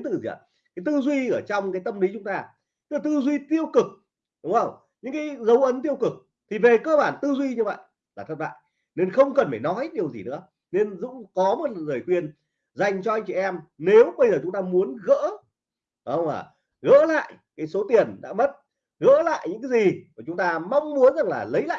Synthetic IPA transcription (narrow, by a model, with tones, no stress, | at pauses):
i˦t̪ɨ̰˧˨zi˨˩a̰˨˩ | kaː˨˦jt̪ɨ˧zwi˧ʔəː˧˩t͡ɕɔ˧wŋ͡mkaː˨˦jt̪ə˧mli˨˦t͡ɕʊ˨˦ŋ͡mt̪aː˧ | t̪ɨ̥˦kla˨˩t̪ɨ˧zwi˧t̪i˧əwkɨ˨˩k̚ | ɗʊ˨˦ŋ͡mʔə˧˩wŋ͡m | ɲɨ̰˧˥ŋkaː˨˦jzə˨˦wʔə˨˦nt̪i˧əwkɨ˨˩k̚ | t̪ʰi˨˩ve˨˩kəː˧ɓaː˧˩nt̪ɨ˧zwi˧ɲɨ˧və̰˧˨jʔ | laː˨˩ə˦˥t̚ɓa̰ː˧˨j | ne˧nxə˧wŋ͡mkə˨˩nfaː˧˩jnɔ˨˦jɗi˨˩əwzi˨˩nɨ̰˧˥ə | ne˧nzʊ̰˧˥ŋ͡mkɔ˨˦mo˨˩t̚zəː˨˩jxwi˧ən | za˨˩jŋ̟t͡ɕɔ˧a˧jŋ̟t͡ɕi˧˨˩ʔɛ˧mne˨˦wɓə˧jzəː˨˩t͡ɕʊ˨˦ŋ͡mt̪aː˧mu˨˦ənɣə̰ː˧˥ | ə˧wŋ͡maː˨˩ | ɣə̰ː˧˥la̰ː˧˨j | kaː˨˦jso˨˦t̪i˨˩ənɗa̰ː˧˥mə˦˥t̚ | ɣə̰ː˧˥la̰ː˧˨jɲɨ̰˧˥ŋkaː˨˦zi˨˩kt͡ɕʊ˨˦ŋ͡mt̪aː˧ma˧wŋ͡mmu˨˦ənza˨˩ŋlaː˨˩lə˨˦jla̰ː˧˨